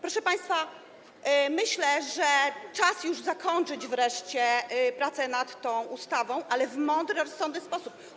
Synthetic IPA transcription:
pɾɔʂɛpaj̃st̪fa | mɘɕlɛʐɛt͡ʂasjuʐzakɔɲt͡ʂɘd͡ʑvɾɛʂt͡ɕɛpɾat̪sɛnat̪ːɔ̃w̃ʔust̪avɔ̃w̃ʔalɛvmɔnd̪ɾɛɾɔsːɔnd̪nɘspɔsup̚

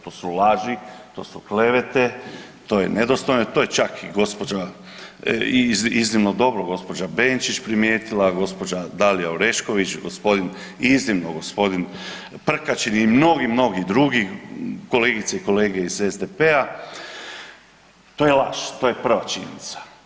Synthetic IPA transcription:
t̪o̞ːsulaːʒit̪o̞̰ːsukle̞ʋet̪et̪o̞jened̪ost̪ojnot̪o̞ːjet͡ʃakiɡo̞spod͡ʒa | iziznimnod̪o̞bɾoɡo̞spo̞d͡ʒabeːnt͡ʃit͡ʃpɾimjeːt̪ilˠaɡo̞spo̞d͡ʒad̪alijaoɾe̞ʃko̞ʋit͡ʃɡospo̞d̪in | iznimnoɡo̞spo̞d̪in | pr̩kat͡ʃinimno̞ɡimno̞ɡid̪ɾuɡiko̞leːɡit̪seiko̞leːɡeizezd̪epea | t̪oːjelaʃt̪o̞ːje̞pr̩ʋat͡ʃḭɲḛnḭt̪sḁ

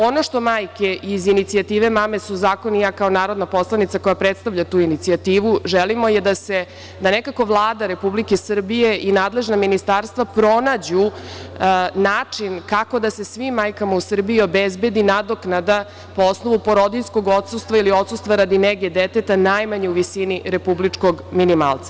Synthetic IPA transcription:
o̞no̞ʂt̪o̞maːjkeʔizinit̪siat̪iːʋe̞mame̞suzaːkonijakao̞naːɾo̞d̪napo̞slanit̪sako̞japɾet̪st̪aʋʎat̪uːinit̪siat̪iːʋuʒelimo̞jed̪ase̞ | d̪anekako̞ʋlˠaːd̪aɾe̞publikesr̩bije̞ʔinaːd̪le̞ʒnaminist̪aɾst̪ʋapɾo̞nad͡ʑu | naːt͡ʂinkako̞d̪ase̞sʋimːajkamausr̩biio̞bezbe̞d̪inad̪o̞knad̪a | poo̞sno̞ʋupo̞ɾo̞d̪iʎsko̞ɡot̪sust̪ʋailio̞t̪sust̪ʋaɾad̪ineɡed̪et̪et̪anajmaɲeuʋisiniɾe̞publit͡ʂko̞ɡminima̰ːlˠt̪sḁ

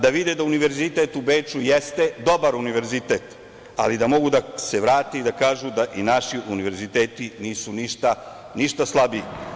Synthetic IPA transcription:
d̪aʋid̪ed̪auniʋe̞ɾzit̪et̪ubeːt͡ʃujest̪e̞d̪o̞baɾuniʋe̞ɾzit̪et̪ | a̰lid̪amo̞ɡud̪ase̞ʋɾaːt̪eid̪akaːʒud̪aʔinaʃiʔuniʋe̞ɾzit̪eːt̪iniːsuniʃt̪a | niʃt̪aslˠabi

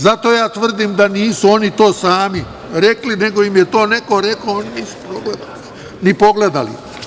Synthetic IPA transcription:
zat̪o̞jaːt̪ʋr̩d̪imd̪aniːsuo̞nit̪o̞ːsaːmi | ɾeklineɡo̞imjet̪o̞ːneko̞ɾekooniniːsu̥pɾoɡled̪al | nipo̞ɡled̪alḭ

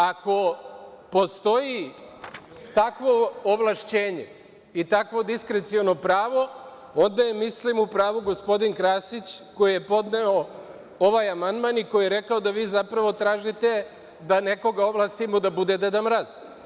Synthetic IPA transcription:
ako̞po̞st̪o̞ji | t̪akʋo̞ːʋlˠaʃt͡ɕeːɲe | it̪akʋo̞d̪iskɾet̪siono̞pɾaːʋo̞ | o̞nd̪ajemislimupɾaːʋuɡo̞spo̞d̪inkɾaːsit͡ɕko̞jije̞po̞d̪neo | o̞ʋajamand̪maniko̞jijeɾe̞kao̞d̪aʋiːzapɾaʋo̞t̪ɾaːʒit̪e̞ | d̪ane̞ko̞ɡaoʋlˠast̪imod̪abud̪ed̪ed̪amɾaz

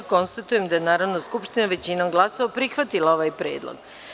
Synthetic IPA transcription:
ko̞nst̪at̪uje̞md̪ajenaːɾaʋnoskupʃt̪inaʋe̞t͡ɕinoɡlˠasoʋapɾixʋat̪ilao̞ʋaːjpɾe̞ːd̪lˠo̰ɡ

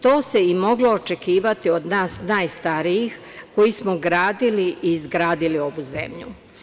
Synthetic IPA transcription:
t̪o̞ːse̞imo̞ɡlo̞ːt͡ʃe̞kiːʋat̪io̞d̪naːsnaːjst̪aɾijix | ko̞jismoɡɾaːd̪iliʔiːzɡɾaːd̪ilio̞ʋuze̞̰mʎṵ

